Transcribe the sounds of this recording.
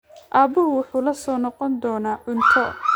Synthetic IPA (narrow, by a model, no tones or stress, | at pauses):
ʔaːbʊɦʊwʊħuːlɐsɔːnɔqɔnd̪ɔːnaːʔʊnt̪ʰɔ